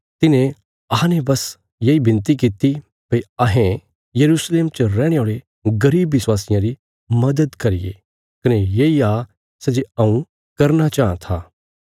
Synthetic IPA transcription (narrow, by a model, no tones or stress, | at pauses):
t̪ɪnẽ | ɐãnebɐs | jeibɪ̃nt̪̬ik̬it̪i | pɐiɐɦẽ | jɐɾuːsleːmt͡ʃɾɛːɽ̃eoːɭe | ɡɐɾiːbːɪswaːsɪjãɾi | mɐd̪əd̪kɐɾɪjḛ | kɐnejeiaː | sɛd͡ʒeɐũ | kɐɾnat͡ʃaːãt̪ʰaː